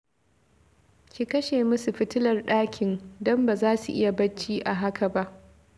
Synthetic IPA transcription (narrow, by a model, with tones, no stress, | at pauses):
kʲi˨kɐ˦ʃeː˨mʊ˦su˨ɸɪ˦tɪ˦lɐ˨rɗaː˦kʲʰɪ˨ndɔ˦mba˨zaː˦sṵ˨ʔɪ˦ja˨bɐ˦t͡ʃːiː˦ʔa˨ɦa˦ka˨ba˦ʔ